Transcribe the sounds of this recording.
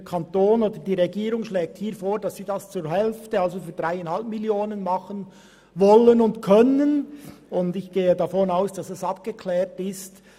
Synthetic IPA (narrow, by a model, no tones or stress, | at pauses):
kʰɑntoːnoːd̥əd̥iːʁɛɡiːɾʊŋʃlɛːk̚thiːɾfoːɾdɑsːiːdɑst͡suːɾhɛlftəɑlzofyːd̥ʁaɪanhɑlp̚miljoːnənmɑχən | vɔlənʊndkʰœnənʊndɪçɡ̥eːədɑfɔnaʊsd̥ɑsɛsɑp̚ɡ̥əkʰlɛːɾtɪst